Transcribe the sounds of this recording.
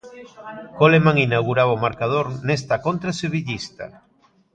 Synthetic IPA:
kolemaŋinawɣuɾaβaomaɾkað̞oɾnest̪akont̪ɾaseβ̞iʎist̪a̰

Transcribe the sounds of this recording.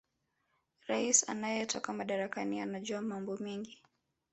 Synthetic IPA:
ɾaisa̰najɛtʰɔkamaɗaɾakanianaʄɔamambɔmɛŋɡi

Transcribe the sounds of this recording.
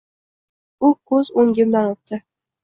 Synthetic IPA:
ʊkʰɵzoŋɡʲɪmd̪anot̪d̪ɪ

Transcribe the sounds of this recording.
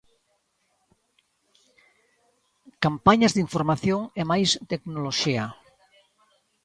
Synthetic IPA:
kampaɲazðiɱfoɾmaθjoŋemajst̪eknoloʃia

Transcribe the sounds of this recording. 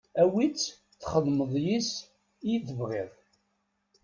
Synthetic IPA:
æwit͡sː | θχəðˤməðˤjis | iθəvʁiðˤ

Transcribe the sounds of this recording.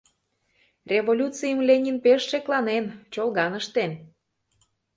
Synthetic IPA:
rʲevolʲut͡sijəmlʲenʲinpeʃːeklɑnent͡ɕolɣɑnəʃt̪en

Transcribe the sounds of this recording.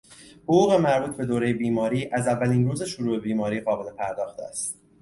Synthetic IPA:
hoɣuːɣe̞mæɾbuːt̪̚ʰbe̞d̪oːɾe̞jebiːmɒːɾiːʔæzævːæliːnruːze̞ʃoɾuːbe̞biːmɒːɾiːɣɒːbe̞lepʰæɾd̪ɒːxt̪æ̰st̪

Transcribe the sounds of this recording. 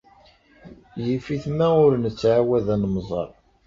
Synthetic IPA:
jəfiθmæʊɾnət͡sːʕawæðænmzˤɑ̰ɾˤ

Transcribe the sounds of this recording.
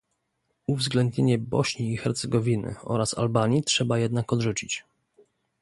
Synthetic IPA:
uvzɡlɛnd̪ɲeɲɛbɔɕɲiːxɛɾt̪sɛɡɔvʲinɘ̰ɔ̰ɾasa̰lbaɲitʂɛbajɛd̪nakɔd̪ʐut͡ɕit͡ɕ

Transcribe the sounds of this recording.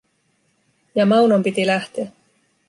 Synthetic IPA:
jɑmɑwnompit̪ilæht̪eæ

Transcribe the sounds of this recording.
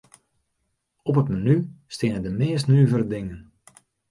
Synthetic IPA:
ɔpətmanystɪənədəmɪːs̬tnyːvəɾədɪŋən

